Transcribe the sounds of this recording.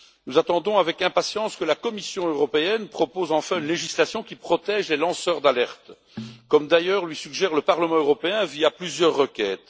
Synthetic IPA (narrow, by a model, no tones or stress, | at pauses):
nuzat̪ɑ̃d̪ɔ̃avɛkɛ̃pasjɑ̃skəlakɔmisjɔ̃øʁɔpeɛnpχɔpozɑ̃fɛ̃ynleʒislasjɔ̃kʲipχɔt̪ɛːʒlelɑ̃sœʁd̪alɛʁt̪ | kɔmd̪ajœːʁlɥisyɡʒɛːʁləpaʁləmɑ̃øʁɔpeɛ̃viaplyzjœʁːəkʲɛːt̪